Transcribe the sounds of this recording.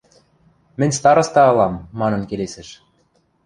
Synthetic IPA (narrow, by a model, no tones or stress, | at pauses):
mɘ̆nʲst̪ɑɾɤ̆st̪ɑɤlɑmːɑnɤ̆nkelesɘ̆ʃ